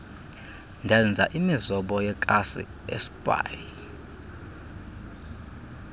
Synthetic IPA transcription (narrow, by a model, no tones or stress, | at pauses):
ndʱɛnd͡zʱaʔimizɔɓɔjɛkʼasḭ | ḛsi̥pʼa̰ji